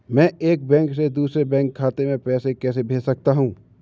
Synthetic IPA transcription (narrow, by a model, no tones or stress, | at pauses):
mɛ̃ːeːk̚bɛ̃ːŋksed̪uːsɾebɛ̃ːŋkʰːaːt̪emẽpɛːsekɛːsebʱeːsɐk̚t̪aɦũː